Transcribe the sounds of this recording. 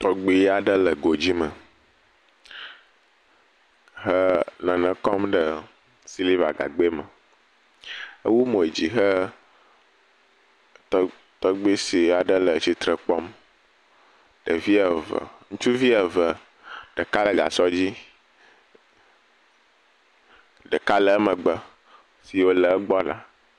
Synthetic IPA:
t̪ɔ˨ɡ͡bi˦a˨ɖə˦lə˨ɡo˨d͡ʑi˦mə˨ | ɦə˦nə̃˨nə̃˨kɔ˦mɖə˨ | si˦li˦va̰˨ɡa̰˨ɡ͡be˦mə˨ | ə̰˦wu˦mõ˨e˨d͡ʑi˨ɦə˦ | t̪ɔ˦ɡ͡bi˦si˨a˨ɖə˦lə˨t͡ʃi˨t̪ɾə˨k͡pɔ˦m | ɖə˨vi˦ə˨və̰˨ŋũ˦t͡ʃu˦vi˦ə˨və˨ | ɖ̥ə˨ka˦lə˨ɡa̰˨sɔ˦d͡ʑi˦ | ɖə˨ka˦lə˨˦mə˨ɡ͡bə˦ | si˨wo˦lə˨˦ɡ͡bɔ˦la̰˦

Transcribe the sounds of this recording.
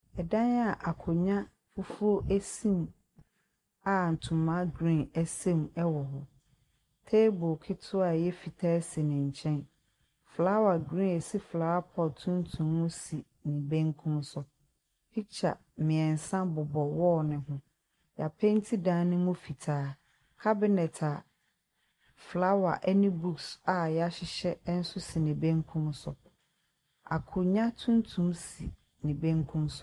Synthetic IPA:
ɛ˨dã˦na˨ʔa˨kʰʊ˨ɲã˦ | fu˦fu˦o˦ʔæ˦sĩ˦m | a˨n̩˨tʰũ˨mːã˦ɡɾĩ˦næ˦sɛ̃˦mɛ˦wɔ˨ɦʊ˨ | tʰe˦bʊ˨kʰɪ˦tʰʊ˦a˨jɛ˦fi˨tʰaː˦si˨nɪ̃˨ɲ̩˨t͡ɕʰɛ̃˦n | flaː˦wa˨ɡɾĩ˦ɛ˨si˦flaː˨˦a˦pʰɔ˨tʰʊ̃˦n̩˦tʰũ˨m˦mũ˦si˨ | nĩ˨bæ̃˦ŋ˦kʰũ˦msʊ˦ | pʰi˦t͡ɕʰa̰˨ | mɪ̃˨ɛ˨n˨sã˦bʊ˨bɔ˨wɔ˦nɪ̃˨hʊ̃˦ | ja˨pʰɛ˦n̩˦tʰi˦dãː˦nʊ̃˦mũ˦fi˨tʰaː˦ | kʰa˦bɪ˦nɛ˨tʰa˨ | fla˦wa̰˨ʔɛ˦nĩ˦bu˦ksa˨jɛ˨a˦ɕɪ˨ɕɛ˦n̩˦sʊ˦si˨nĩ˨bɛ̃˦ŋ˦kʰũ˦msʊ˨ | a̰˨kʰʊ˨ɲã˦tʰũ˦n˦tʰũ˦msḭ˨ | nĩ˨bɛ̃˦ŋ˦kʰũ˦msʊ̥˦

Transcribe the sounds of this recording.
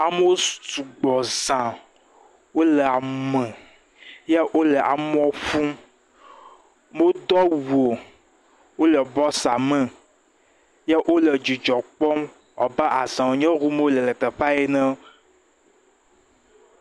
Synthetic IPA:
a˨me˦wo˦st̪u˨ɡ͡bɔ˨zã˨ | wo˦lə˨a˨mɛ̃˨ | jɛ˦ʔo˦lə˨ʔa̰˨m˦ɔ̃˦ɸũ˦m | mo˦d̪ɔ˦wu˨o˨ | wo˦lə˨bɔ˦sa˨mə̃˨ | jɛ˦ʔo˦lə˨d͡ʒi˨d͡ʒɔ˨k͡pɔ˦m | ɔ̰˨ba˦ʔa˨zã˨wo˨ɲɛ̃˦ɣu˦me˦o˦lə˨lə˨t̪ə˨ɸa˦e˦nə̃˦

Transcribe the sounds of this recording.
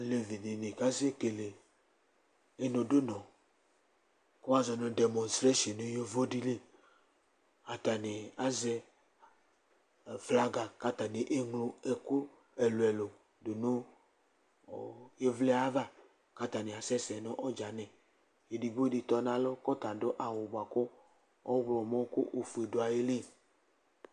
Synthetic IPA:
le˨vi˨ni˨ni˨ka˦ze˦ke˨le˨ | e˨no˨do˦nɔ̃˨ | ko˦a˦zɔ˨nɔ˧dɛ˨mɔ̃˨nstɾe˦ʃɔ˨nu˦jo˦vo˦di˦le˦ | a˨ta˨ni˨a˨zɛ˧˨ | fla˧ɡa˨ka˦ta˨ni˨ʔe˦ŋlo˨ɛ˨ku˦ | ɛ˨lo˨ɛ˨lo˨ | do˨no˦˨ | je˦vlɛ˦a˦va˦ | ka˦t̪a˨ne˨a˨sɛ˦sɛ˨nɔ̃˦ʔɔ˦d͡ʒa˨nɛ̃˨ | e˨di˨ɡ͡bo˦di˨t̪ɔ˨nã˦lɔ˦kɔ˦t̪a˨do˦ʔa˨wo˨ba˨kɔ˦ | ɔ˦wlɔ˨mɔ̃˦ko˦ʔo˨fu˨e˨do˨a˨je˦le˦˨

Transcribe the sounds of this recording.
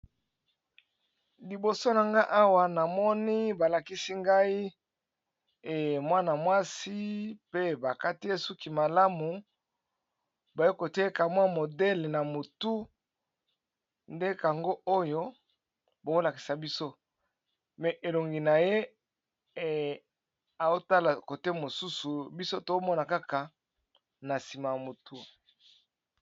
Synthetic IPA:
li˨bo˨so˦na˨ŋɡa˦ʔa˦wa˨na˨mɔ˦ni˦ba˨la˨ki˦si˦ŋɡa˦i˦˨ | mwa˦na˨mwa˦si˦pe˦ba˨ka˦ti˦je˦su˦ki˨ma˨la˦mu˨ | ba˨je˦ko˨tɛ˦ka˨mwa˦mo˨dɛ˦lɛ˨na˨mo˨tu˦ | nde˦ka˨ŋɡo˦ʔo˦jo˦ | bo˨ko˦la˨ki̥˨sa˨bi˦so˦ | mɛ˨ʔe˨lo˨ŋɡi˨na˨je˦ | a˨zo˦ta˦la˨ko˨te˦mo˨su˦su˨bi˦so˦to˦mɔ˦na˨ka˦ka˨ | na˨si˨ma˨ja˨mo˨tu˦

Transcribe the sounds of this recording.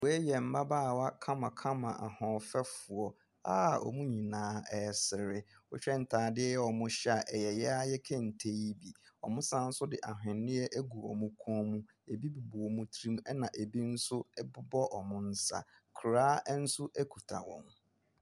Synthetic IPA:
wɔ˨˦e˦jɛ˨m̩˦ba˦baː˦˨wa˦kʰã˦mã˨kʰã˦mã˨ʔa̰˨hɔ̃˨fɛ˦fʊ˨ɔ˨ | a˦ɔ̰˨mũ˦ɲĩ˨nãː˦ɛ˨sɪ˨ɾɪ˦ʊ˦ɕᶣɛ˦n̩˨tʰaː˨dɪ˦ɛ˦jɛ˦ɔ˨mʊ̃˦ɕɛ˦a˨ʔɛ˨jɛ˨jɛ˦a˦jɛ˦kʰɛ̃˦˨n̩˨tʰe˦ji˦bi˨ɔ̰˨mʊ̃˦sã˦n̩˦sʊ˦dɪ˨ʔa˨ɦᶣɪ̃˨nːɪ̃˦ɛ˦ʔæ˦ɡu˨ɔ̰˨mʊ̃˦kʰɔ̃˦mũ˦ | e˨bi˦bu˨bɔ˨ɔ˨mũ˦tʰɾi˦m˦ɛ˦nã˨ʔe˨bi˦n̩˦sʊ˦bʊ˦bɔ˦ʔɔ˨mʊ̃˦n̩˦sa̰˨ | kʰʊ˨ɾaː˦n̩˦sʊ˦ʔæ˦kʰu˨tʰa̰˨wɔ̰̃˨m

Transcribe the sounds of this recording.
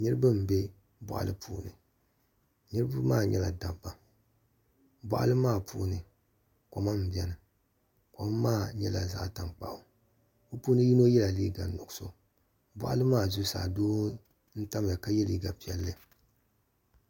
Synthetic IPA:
nɨ˦ɾɨ˦bɨ˦m̩˨be˦ | bɔ̰˨ʔa̰˨lɨ˦pʰṵː˦nɨ˨ | nɨ˦ɾɨ˦bɨ˦maː˦˨ɲɛ̰˦la̰˨da˨ba˨ | bɔ̰˦ʔa̰˦lɨ˦maː˦˨pʰṵː˦nɨ˨ | ko˨ma˦m̩˨bi˦ɛ˨nɨ˨ | ko˨˦mːaː˦ɲɛ˦la̰˨za̰˦ʔta˨ŋk͡pa̰˦˨ʔʊ˨ | o˦puː˦nɨ˦ji˦no˦jɛ˦la˨liː˦ɡa˨nːʊ˨ɡso̰˦ | bɔ̰˨ʔa̰˦lɨ˦maː˦˨zu˦sa̰ː˨doː˦ | n̩˦ta˦m˨a˨ka˦jɛ˦li˨ɡa˨pi˨ɛ˦lːɨ˦

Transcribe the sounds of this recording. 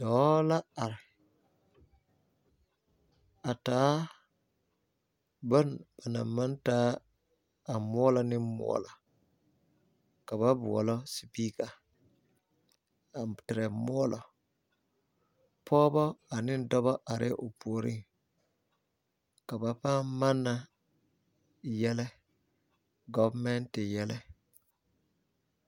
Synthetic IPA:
dɔː˨la˦a˨ɾ | a˨taː˦ | ba˦nb̥a˨na̰˨mːa˦ntaː˦˨ | mɔː˦la˨nɪ˦mɔ̰˦la˨ | ka˨ba˦bu˨wɔ̰˨lɔ˦si˨pi˦ka˨ | tɪ˨ɾɛ˨mɔ˦ɔ˦lɔ˨ | pʰɔː˦bɔ˦a˨nɪ˦n˦dɔ˦bɔ˦ʔa˨ɾɪ̰˦ʔʊ˨pu˨o˨ɾḭ˦ŋ | ka˨ba˨paː˦ma˦nːa˨ | jɛ˦lɛ˦ | ɡɔ˦vmɛ˦ntɪ˨jɛ˦lɛ˦

